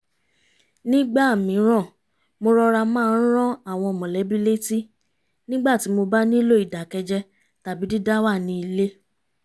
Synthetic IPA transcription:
nĩ˦ɡ͡ba˦˨mĩ˨˦ɾ̃ɔ̃˦˨ | mo˧ɾɔ˧ɾa˧mãː˦˧n̩˦ɾ̃ɔ̃˦a˦˨w̃ɔ̃˧˨mɔ̃˨lɛ˨˦bi˦le˦ti˦˨ | nĩ˦ɡ͡ba˦˨ti˨˦mo˧ba˦nĩ˦lo˦i˦˨da˨kɛ˧d͡ʒɛ˧ | ta˨bi˨˦di˦da˦wa˦˨nĩ˧i˧le˦

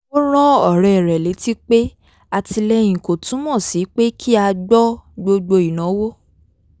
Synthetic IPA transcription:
o˦ɾ̃ɔ̃˦ɔ˦˨ɾɛ˨ɾɛ˨le˨˦ti˦k͡pe˦ | a˧ti˧lɛ˧j̃ĩ˨ko˨tũ˨˦mɔ̃˦˨si˨˦k͡pe˦kʰi˦a˧ɡ͡bɔ˦ɡ͡bo˧ɡ͡bo˧i˨nã˨˦wo˦

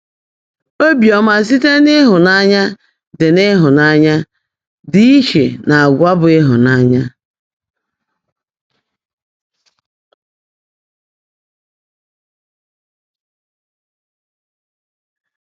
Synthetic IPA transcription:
o˦bjɔ˨ma˨s̬i˦te˦nɪ˦ɦʊ˨na˦ɲa˦ | dɪ˨ne˦ɦʊ˨na˦ɲa˦ | dɪ˦i˦ʃe˨na˨a˨ɡʷa˦bʊ˨ɪ˦ɦʊ̰˨na˦ɲa˦

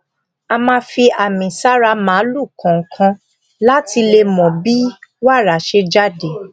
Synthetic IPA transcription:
a˧mãː˧˦fi˧a˨mĩ˨sa˦ɾa˧˦mãː˨˦lu˦˨kʰã˨ŋ̩˨kʰã˧ | la˦ti˧le˧mɔ̃˨bi˦wa˦˨ɾa˨ʃe˧d͡ʒa˦de˨

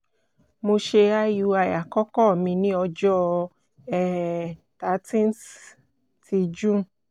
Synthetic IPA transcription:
mo˧ʃe˧a˦ju˨˧˦a˧ja˨kɔ˦kɔ˦˨mĩ˧nĩ˦ɔ˧d͡ʒɔ˦ | ɛ˦ | ta˨˦tĩ˦ns | ti˧d͡ʒũ˦˨

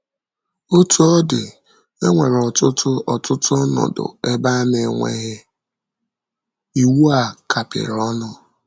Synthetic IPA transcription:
o˦tu˦ɔ˦dɪ˨ | e˦ŋʷe˨ɾɔ˨tʊ˦tʰʊ˦ɔ˨tʊ˦tʊ˦ɔ˦nɔ̰˨dʊ̰˨e˦ba˦ne˨ŋʷḛ˨ɦɪ˦ | i˦˨wu˦a˨kʰa˨pɪ̰˨ɾɔ˦nʊ˦

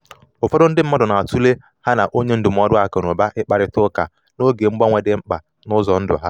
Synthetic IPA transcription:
o˨fɔ˦dʊ˦n̩˦dɪ˦m̩˦mɔ˦dɔ˨na˨a˨tu˦le˦ | ha˦na˨ʔo˦ɲe˦n̩˦dʊ˨m̩˦ɔ˦dʊ˦a˨ko˨no˨ba˦ʔɪ˦k͡pa˨ɾɪ˦tʊ˦ka˨ | no˦ɡe˨ŋ͡m̩˦ɡ͡bɔ˦ŋʷe˨de˨ŋ͡m̩˦k͡pa̰˨ | nʊ˦zɔ˨n̩˦dʊ̰˨ɦa˦

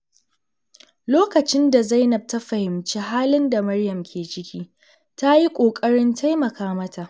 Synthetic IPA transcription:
loː˦kɐ˨t͡ʃɪ˦nda˨za˦jnɐ˨b̚ta˦ɸɐ˨hɪ˨mt͡ʃiː˦ɦaː˦lɪ˦nda˨mɐ˦rjɐ˨mkʲʰeː˨t͡ʃɪ˦kʲiː˦ | ta˦ji˦kʷʼoː˨kʼɐ˦ɽɪ˦ntʰa˦jmɐ˨kaː˦mɐ˦tʰa˨ʔ

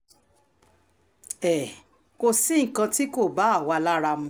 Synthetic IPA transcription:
ɛ˨ | ko˧sĩ˦ŋ̩˨kã˧ti˦ko˦˨ba˨˦a˦˨wa˧la˦ɾa˧m̩̃˧˦

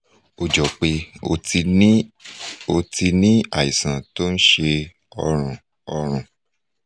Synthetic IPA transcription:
o˨d͡ʒɔ˨k͡pe˧ | o˧ti˧nĩ˦a˦˨i˨sã˨to˦n̩˦ʃe˧ | ɔ˧ɾ̃ũ˨ | ɔ˧ɾ̃ũ˨

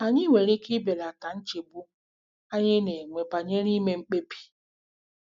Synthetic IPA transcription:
a˨ɲi˦ŋʷe˨ɾe˦ki˦be˨la˨ka˨n̩˦t͡ʃe˨bu˦ | a˦ɲɪ˦ne˨ŋʷe˨pa˨ɲe˦ɾi˦me˦ŋ͡m̩˦k͡pe˦pi̥˨

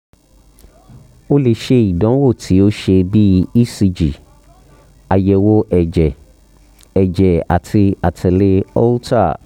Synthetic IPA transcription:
o˦le˧ʃe˧i˨dɔ̃˨˦wo˦˨tʰi˨˦o˦ʃe˧bi˦i˦si˧d͡ʒi˨ | a˨jɛ˨wo˧ʔɛ˨d͡ʒɛ˨ | ɛ˨d͡ʒɛ˨a̰˨tʰi˧a˨tʰɛ˨le˧ɔ̰˦lta̰˦˨

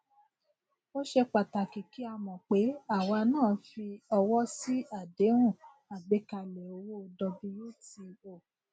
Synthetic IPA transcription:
o˦ʃe˧k͡pa˨ta˨ki˨ki˨˦a˧mɔ̃˨k͡pe˨˦a˦˨wa˧nãː˦˨˦fi˧ɔ˧wɔ˦si˦a˦˨de˨˦ɾ̃ũ˦˨ | a˨ɡ͡be˨˦ka˧lɛ˨o˧wo˦˧dɔ˧bi˧ɾi˦ti˧o˨

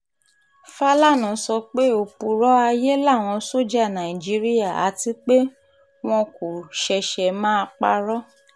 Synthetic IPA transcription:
fa˦la˦˨nã˨˦sɔ˧k͡pe˦o˦˨pu˧ɾɔ˦a˧je˦la˦˨w̃ɔ̃˧so˦d͡ʒa˦˨nã˨ĩ˨d͡ʒi˦ɾi˦ja˦˨a̰˨˦ti˧˦k͡pe˦ | w̃ɔ̃˧ko˨ʃɛ˧ʃɛ˨mãː˦˧k͡pa̰˧ɾɔ˦

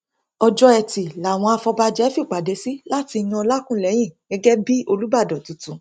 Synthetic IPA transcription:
ɔ˧d͡ʒɔ˦ɛ˧ti˨la˨w̃ɔ̃˧a˧fɔ˧ba˧d͡ʒɛ˨˦fi˦˨k͡pa˨de˨˧si˦la˦ti˧j̃ɔ̃˧la˦kũ˦˨lɛ˨˦j̃ĩ˦˨ɡɛ˧˦ɡɛ˦bi˦o˧lu˦ba˦˨dɔ˨tu˨˧tũ˨˧

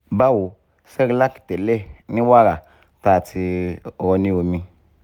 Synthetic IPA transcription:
ba˦wu˨ | sɛ˦ɾi˨la˦ki̥˨te˨le˦ni˦wa˦ɾa˨ | ta˦˨tʰi˧˨ɣɔ˨˧nĩ˦wo˨mĩ˧

